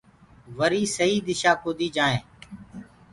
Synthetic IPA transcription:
ʋəɾiːsəɦiːd̪ɪʃaːkoːd̪iːd͡ʒaːẽː

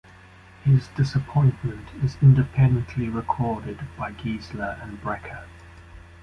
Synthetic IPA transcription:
hɪzdɪsəpʰɔ̃ɪ̃nʔmə̃ntʰɪzɪ̃ndɪpʰɛ̃ndə̃nʔliɹɪkʰɔːdɪdb̥aɪɡiːzləɹə̃nbɹɛkʰə

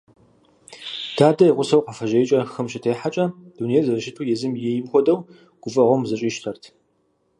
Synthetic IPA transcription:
d̥aːdɐiʁʷʊsɐwqɐfɐʒɐjt͡ʃʼɐxɨmɕɪtʰeːħat͡ʃʼɐd̥unejɛzɐrɨʃɪtʰuːjɛzɨmjɛjɪmxʷɔdɐw | ɡ̥ʷʊfʼɐʁʷɔmzɐɕʼiːʃtʰɐrtʰ

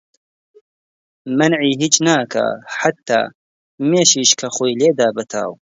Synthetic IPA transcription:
mɐnʕiːɦiːt͡ʃnaːkʰa̰ħat̪ːa̰ː | meːʃiːʃkʰɐxoːjleːd̪aːbɐt̪ʰa̰ːw

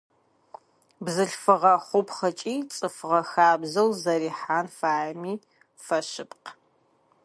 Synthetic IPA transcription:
bzɨɬfɨʁɐχʷʊpχɐt͡ʃʼiːt͡sʼɨfʁɐxaːbzɐwzɐɾiːħaːnfaːmiː | fɐʃɨpq

